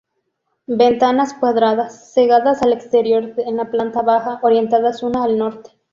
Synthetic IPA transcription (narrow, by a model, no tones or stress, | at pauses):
be̞nt̪anaskwaðɾaðasːeɣaðasalekst̪e̞ɾjo̞ɾenlaplant̪aβaxaʔoɾje̞nt̪aðasunaːlno̞ɾt̪e̥